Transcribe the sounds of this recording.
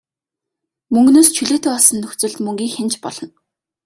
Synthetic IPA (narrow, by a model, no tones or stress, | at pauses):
mɵŋɡnoːst͡ɕʰuɮeːt̪ʰoːɔsə̆nːɵxʲt͡sɵ̆ɮt̪mɵŋɡʲiːxent͡ɕpɔ̰ɮɞ̆n